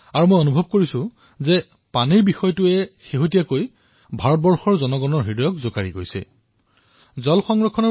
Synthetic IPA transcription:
aɹumojonubʱɔb̚koɹisʊ̃ | zɛ | paniɹbixɔjɔtʊɛxeɦot̬ijakoj | bʱaɹɔt̚bɔɹxɔɹzɔnɔɡɔnɔɹɦidɔjɔkzokaɹiɡojsɛ̰ | zɔlxɔŋɹɔkʰːɔnɔ

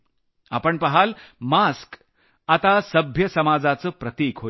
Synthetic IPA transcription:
a̰pəɳpəɦalmask | at̪asəbʱjəsəmad͡zat͡səːpɾət̪iːkɦo

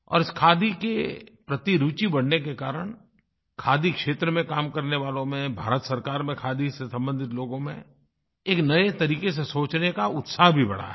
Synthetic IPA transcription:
ɔ̰ːɾɪskʰaːd̪ikḛpɾɐt̪iɾuːt͡ʃibɐɽ̤nekekaːɾəɳ̃ | kʰaːd̪ikʃeːt̪ɾəmẽkaːmkɐɾneʋaːlõmẽbʱa̰ːɾət̪sɐɾkaːɾmẽkʰaːd̪isesɐ̃mbə̃nd̪ʱɪt̪loːɡõmḛ̃ | eːknɐet̪ɐɾiːkes̬esoːt͡ʃnekaʊt̪saːɦbʱibɐ̰ɽ̤a̰ɦɛ

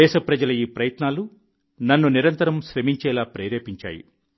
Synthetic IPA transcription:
ɛːʃɐpɾɐd͡ʒɐlɐjiːpɾɐjɐt̪naːlu | nɐnːuniɾɐnt̪ɐɾɐmʃɾɐmiɲt͡ʃɛːlaːpɾɛːɾeːpiɲt͡ʃa̰ːjḭ

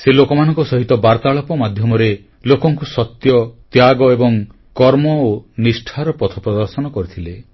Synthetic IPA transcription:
selokɔmanɔ̃ŋkɔsɔɦit̪ɔbaɾt̪aɭɔpɔmad̪ʱjɔmɔɾe | lokɔŋkusɔt̪jɔt̪jaɡɔebɔŋ | kɔɾmɔonisʈʰaɾɔpɔt̪ʰɔpɾɔd̪ɔɾsɔnɔkɔɾit̪ʰile

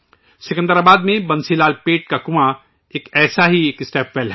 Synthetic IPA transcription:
sɪkə̃nd̪əɾaːbaːd̪mẽbɐ̃nsilaːlpeːʈ̚kakʊma | eːkɛːsaɦieːkɪsʈɛːpʰbɛːlɦɛ

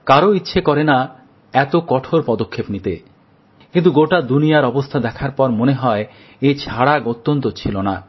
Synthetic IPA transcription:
kaɾoitːɕʰekɔɾena | ɛt̪okɔʈʰoɾpɔd̪okʰːepnit̪ḛ | kĩnt̪uɡoʈad̪unijaɾɔbost̪ʰad̪ɛkʰaɾpɔɾmoneɦɔe | et͡ɕʰaɽakot̪ːont̪̬ot͡ɕʰilona

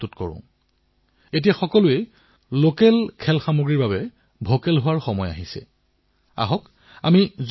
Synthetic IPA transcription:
tutkɔɹʊ̰̃ | et̬ijaxɔkɔlʊe | lokɛlkʰɛlxamoɡɹiɹbaβɛ | bʱokɛlɦʊwaɹxɔmɔja̰ɦisɛ̰ | a̰ɦɔk | a̰miz

